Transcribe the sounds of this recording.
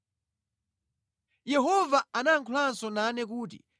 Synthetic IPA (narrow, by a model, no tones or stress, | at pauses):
jɛɦɔvaanaŋkʰlansɔnanɛkuːt̬ḭ